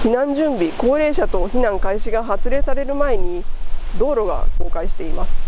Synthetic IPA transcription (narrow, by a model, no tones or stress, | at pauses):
çinãɲ̟d͡ʑɨ̃mbʲiko̞ːɾe̞ːɕat̪o̞çinãŋkaiɕiɡaɦat͡sɨɾe̞ːsaɾe̞ɾɯ̟mae̞ɲ̟id̪o̞ːɾo̞ɡa̰ko̞ːkaiɕi̥t̪e̞imasɨ̥